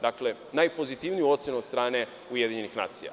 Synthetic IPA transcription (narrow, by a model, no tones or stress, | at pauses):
d̪akle̞ | najpo̞zit̪iʋnijuo̞t̪sjenuot̪st̪ɾaːne̞ | ujed̪iɲenixnaːt̪sija̰